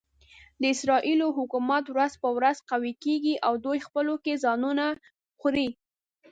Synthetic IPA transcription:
d̪əɪsɾɑʔiloɦʊkumat̪wɾazpəwɾazqawikeɡiʔawd̪ojxpəlokezɑnuna | xɾi

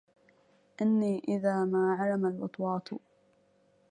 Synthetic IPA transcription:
ʔɪnːiːʔɪðaːmaːʕalamalwɑ̰t̪ˤwɑːt̪

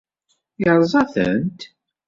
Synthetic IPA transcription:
əɾˤzˤɑθə̰nt̪

